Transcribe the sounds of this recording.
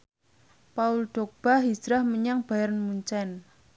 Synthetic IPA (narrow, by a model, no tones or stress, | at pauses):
paulɖ̪̥ok̚b̥aɦid͡ʒɾahməɲaŋb̥ajaɾnmuɲt͡ʃɛn